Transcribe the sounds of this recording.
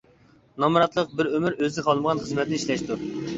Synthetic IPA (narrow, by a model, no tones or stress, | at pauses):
nɑmɾɑt̪lˠəq̚bɪɾømɪɾøzɪqʰɑlˠməʁɑnχəzmɛt̪ʰɪnɪiʃlɛʃt̪u